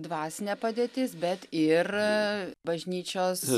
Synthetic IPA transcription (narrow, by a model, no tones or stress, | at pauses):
d̪ʋɑːsʲɪnʲeːpɐd̪ʲeːt̪ʲɪsbʲɛt̪ɪr | bɐʒʲnʲiːt͡ʃʲoːs